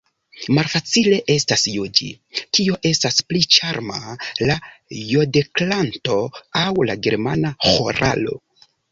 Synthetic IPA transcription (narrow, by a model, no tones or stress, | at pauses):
malfat͡sile̞ʔe̞stasjod͡ʒḭ | kio̞ʔe̞stasplit͡ʃaɾmalajodeklanto̞awlaɡe̞̰ɾmanaxoɾa̰lo̞̰